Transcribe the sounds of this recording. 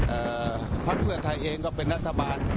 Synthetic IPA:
ʔɤː˧˩ | pʰa˦˥k̚pʰɯ˥˩ɐt̪ʰa˧jʔeː˧ŋkɔː˥˩pe˧nɾa˦˥t̪ʰːa˧baː˧n

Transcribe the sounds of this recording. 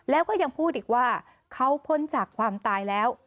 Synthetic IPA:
lɛː˦˥wkɔː˥˩ja˧ŋpʰuː˥˩t̪̚ʔiː˨˩k̚waː˥˩ | kʰa˦˥wpʰo˦˥nt͡ɕaː˨˩kʰwaː˧mt̪aː˧jlɛː˦˥w

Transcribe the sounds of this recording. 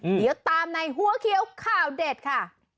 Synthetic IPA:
di˨˦wt̪aː˧mna˧jɦu˧˥˦ɐkʰi˧˦əwkʰaː˥˩wdeː˨˩t̪̚kʰa˥˩

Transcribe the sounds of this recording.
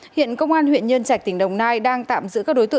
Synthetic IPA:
hḭ˧˨ənkə˧wŋ͡mʔaː˧nhwḭ˧˨ənɲə˧nt͡ɕaː˧˩k̚t̪ï˧˩ŋ̟ɗə˨˩wŋ͡mnaː˧jɗaː˧ŋt̪a̰ː˧˨mzɨ̰˧˥kaː˦˥k̚ɗo˨˦jt̪ɨ˧˨

